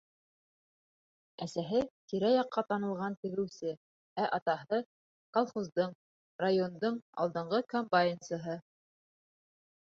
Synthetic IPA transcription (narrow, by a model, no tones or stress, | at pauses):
æsæɦɘt̪iɾæjɑqːɑt̪ɑnɤ̆lˠʁɑnt̪ɘ̆ɡɘ̆wsɘ | æʔɑt̪ɑɦɤ | kalˠχuzd̪ɤɴ | rajond̪ɤɴɑ̰lˠd̪ɤ̆ɴʁɤkombajɪnsəɦɤ